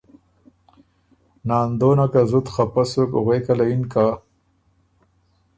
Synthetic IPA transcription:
nɑːnd̪oːnakazut̪χapasokʊɣejkalainka

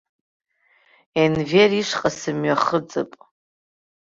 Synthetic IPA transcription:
envʲeriʂqʼasɨmɥaχət͡sʼa̰pʼ

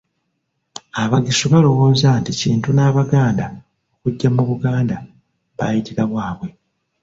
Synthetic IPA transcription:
aβaɡisuβalo̞wo̞ːzanticiːntunaːβaɡaːnda | okuɟːamuβuɡaːnda | βa̰jitiɾaβwaːβwe̞

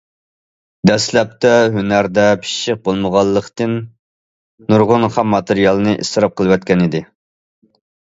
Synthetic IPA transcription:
d̪ɛslɛp̚t̪ɛɦønæɾd̪ɛpʰi̥ʃɪq̚bolˠməʁɑlˠːəqt̪ɨnː | uɾʁʊnχæmːɑt̪ɨɾijɑlˠɨnɨʔḭst̪ɨɾɑp̚qʰəlˠɨwɛt̪̚kʲɛnid̪ɪ

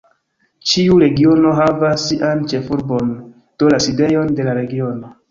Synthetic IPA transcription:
t͡ʃiuɾe̞ɡio̞no̞ɦavasːiʔant͡ʃe̞fuɾbo̞n | d̥olaside̞jo̞nde̞laɾe̞ɡio̞no̞

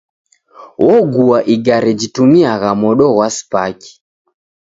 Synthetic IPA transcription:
wʔɔɡuaʔiɡaɾɛd͡ʒitumiaɣamɔɗɔɣwaspaki̥

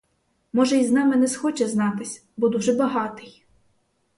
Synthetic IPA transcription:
mɔʒɛiznɑmɪnɛsxɔt͡ʃɛznɑt̪ɪsʲ | bɔd̪uʒɛbɐɦɑt̪ɪj

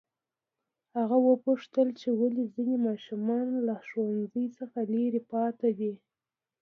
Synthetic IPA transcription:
haɣawəpuʂt̪əlt͡ʃewalizinemɑʃumɑnlaʃwanzəjt͡səxaleɾepɑt̪ad̪i

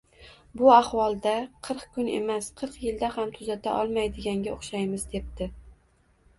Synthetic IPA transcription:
bʊahwɒlˠd̪aqʰɨɾqkʲʊne̞̰masqʰɨɾqjɪld̪ahamt̪ʰʊzat̪ʰaʔɒlˠmajd̪ɪɡʲaŋɡʲaoχʃajmɪzd̪e̞p̚t̪ɪ

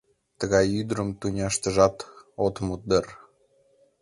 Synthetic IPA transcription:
t̪əɣɑjyd̪ɾəmt̪unʲɑʃt̪əʒɑt̪ot̪mud̪ər

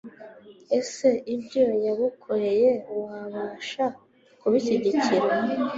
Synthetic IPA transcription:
e̞seʔibɟojaβikʰoɾe̞jeuwaβaːʃa | kuβiciɟiciɾa

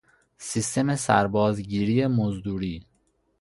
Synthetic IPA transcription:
sist̪ʰe̞mesæ̰ɾbɒːzɟiːɾiːjemozd̪uːɾiː

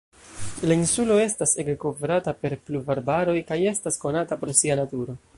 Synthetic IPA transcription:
lainsulo̞e̞staseɡko̞vɾatape̞ɾplubaɾbaɾo̞jkaje̞stasko̞natapɾosianatuɾo̞

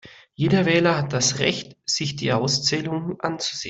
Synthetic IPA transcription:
jeːdɐvɛːlɐhat̚d̥asʁɛ̰çtz̥ɪçd̥ḭːʔaʊst͡sɛːlʊŋənʔant͡su̥z̥ḛːn

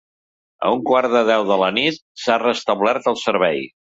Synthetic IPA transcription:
ə̰uŋkwaɾðəðɛwðələnit̪̚sarəst̪əβlɛɾt̪əlˠsəɾβɛj

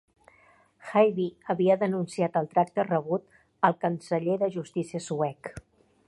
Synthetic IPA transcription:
xajβiəβiəðənunsiat̪əlˠt̪ɾak̚t̪ərəβ̞ut̪ | əlˠkənsəʎeðəʒust̪isiəsuɛk

